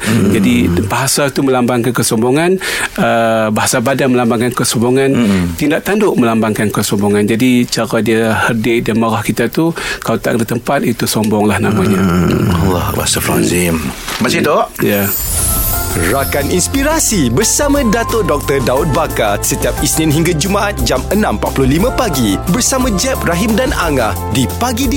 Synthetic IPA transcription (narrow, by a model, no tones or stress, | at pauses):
d͡ʒadibaɦasat̪umə̃lambaŋkankəsɔmbɔŋanəbaɦasabadanməlambaŋkankəsɔmbɔŋant̪indaʔt̪andʊʔməlambaŋkankəsɔmbɔŋand͡ʒadit͡ʃaɾadiahərdɪʔdanmaɾahkit̪at̪ukaat̪a̰ʔkdət̪əmpat̪̚it̪usɔmbɔŋlahnamãɲaa̰lɔ̰ba̰safɾa̰nzimbat͡ʃait̪oʔja | rakaninspiɾasibərsamãdat̪odɔk̚t̪ədaʊt̪̚bakasət̪iap̚isnɪ̃nɦiŋɡad͡ʒumaʔat̪̚d͡ʒamənãmpat̪̚pulʊhlimãpaɡibərsamãd͡ʒɛp̚raɦimdanaŋahdipaɡid